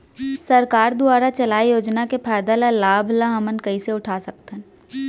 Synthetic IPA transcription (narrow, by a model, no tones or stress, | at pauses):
sɐɾkaːɾd̪ʊaːɾat͡ʃɐlaːijoːd͡ʒnakepʰaːɪd̪alalaːbʱlaɦɐmənkɐiseʊʈʰaːsɐkt̪ən